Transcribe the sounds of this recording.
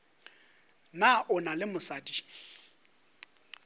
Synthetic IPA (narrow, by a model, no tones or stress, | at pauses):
naʊnalɪmʊsaːdʼi̥